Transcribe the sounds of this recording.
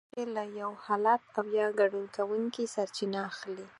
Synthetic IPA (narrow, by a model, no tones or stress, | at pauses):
elajawhɑlat̪̚awjɑɡaɖunkawuŋkisaɾt͡ʃinaːxli